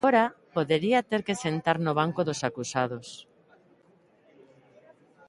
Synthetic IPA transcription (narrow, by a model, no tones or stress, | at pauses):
oɾapoðeɾiat̪eɾkesent̪aɾnoβ̞aŋkoðosakusað̞os